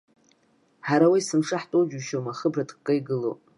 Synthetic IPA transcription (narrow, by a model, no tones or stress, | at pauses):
ħaɾawijsɨmʂaħtʼod͡ʒuʃomaχəbradkkʼːajɡɨlo̰